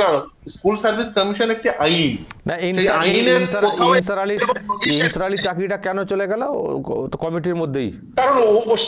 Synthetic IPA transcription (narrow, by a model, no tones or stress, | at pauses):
a | skuːlsəɾʋiskəmiɕənek̚t̪iʔainajinsəaiinsəɾoinsəɾaliinsəɾaliːt͡ɕakiʈakːanot͡ɕolakalat̪kɔmiʈ̬iɾmod̪ʱːeḭ | kaɾəɳ